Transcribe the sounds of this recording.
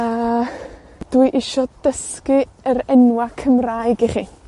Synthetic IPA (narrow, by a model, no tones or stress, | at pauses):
ə | d̥uɨʔɪʃɔd̥əskiəɾɛnwakʰəmraːjɡɪχi